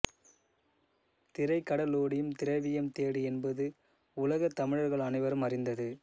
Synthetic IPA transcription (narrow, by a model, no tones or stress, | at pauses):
t̪ɪɾɐɪkːɐɽɐloːɽɪjɯmt̪ɪɾɐʋɪjɐmt̪eːɽiɛnbɐðɯ | ʊlɐɣɐt̪ːɐmɪɻɐɾɣɐɭɐnɐɪʋɐɾɯmɐrɪnd̪ɐðɯ